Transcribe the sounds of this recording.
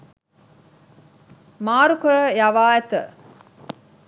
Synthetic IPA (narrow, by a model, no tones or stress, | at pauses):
maːɾukəɾəjaʋaːæt̪ə